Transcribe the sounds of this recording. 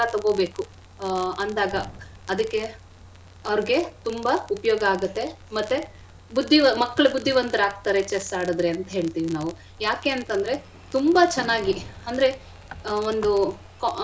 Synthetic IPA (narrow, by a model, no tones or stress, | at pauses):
ɐt̪ɐɡo̞ːbe̞ːku | ɐnd̪aːɡɐ | ɐd̪ɐkːe | ɐʋɾiɡe̞t̪umbɐupɐjoːɡɐaːɡut̪ːe̞mɐt̪ːe | bud̪ʱːiʋɐmɐkːɐɭɐbud̪ʱːiʋɐnt̪ɐɾaːɡ̚t̪aːɾet͡ʃesaːɽud̪ɾeɐnt̪ɐɦe̞ːɭt̪iːʋinaːʋu | jaːke̞ːɐnt̪ɐnd̪ɾe̞ | t̪umbɐt͡ʃɛnːaːɡiɐnd̪ɐɾe̞ | ond̪u | k